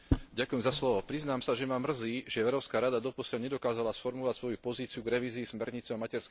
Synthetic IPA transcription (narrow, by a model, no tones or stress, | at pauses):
ɟakujɛmzaslɔʋɔpɾiznaːmsaʒɛmamr̩ziːʒɛɛʊɾɔskaːɾad̪ad̪ɔpɔslɲɛd̪ɔkaːzalasfɔɾmulʋacsʋɔjupɔziːt͡siuɡɾɛʋiːziːsmɛɾɲit͡sɛamacɛɾsk